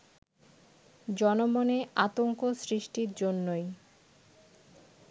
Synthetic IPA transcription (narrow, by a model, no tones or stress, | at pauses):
d͡ʑɔnomoneʔat̪oŋkosɾiʃʈiɾd͡ʑonːoj